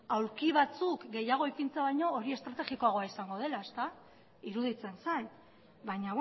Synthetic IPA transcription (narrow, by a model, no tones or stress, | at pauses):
awɾkiβat͡sukɡe̞jaɣ̞oipint͡seaβajɲo̞ːɾie̞st̪ɾat̪e̞ɣiko̞aɣo̞aisaŋɡo̞ð̞e̞laest̪a | iɾuð̞it͡se̞nsaj | bajɲa